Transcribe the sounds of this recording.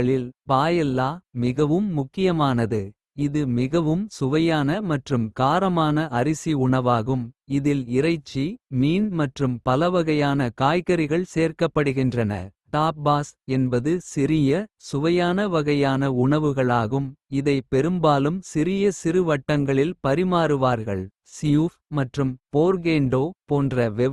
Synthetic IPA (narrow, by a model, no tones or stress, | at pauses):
ɐɭɪlpaːjɛlːaːmɪɣɐʋɯmːʊkːɪjɐmaːnɐðɯ | ɪðɯmɪɣɐʋɯmsʊʋɐjaːnɐmɐʈrɯmkaːɾɐmaːnɐɐɾɪsiʊɳɐʋaːɣɯmɪðɪlɪrɐɪt͡ʃːimiːnmɐʈrɯmpɐlɐʋɐɣɐjaːnɐkaːjkɐɾɪɣɐɭseːrkɐpːɐɽɯɣɪndrɐnɐ̰ʈaːp̚baːsɛnbɐðɯsɪɾɪjɐsʊʋɐjaːnɐʋɐɣɐjaːnɐʊɳɐʋɯɣɐɭaːɣɯmɪðɐɪpɛɾɯmbaːlɯmsɪɾɪjɐsɪɾɯʋɐʈːɐŋɡɐɭɪlpɐɾɪmaːɾɯʋaːɾɣɐ̰ɭ | sɪjufmɐʈrɯmpoːɾɡeːɳɖoːpoːndrɐʋɛ